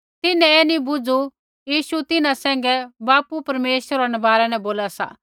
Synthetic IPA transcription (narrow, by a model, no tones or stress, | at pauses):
t̪ɪnɛ̃ɛːnibʊd͡zu | jiːʃut̪ɪnãsɛ̃ːŋ̆ɡɛbaːpupɐɾmeːʃəɾanɛbaːɾɛnɛ̃boːlasa̰ː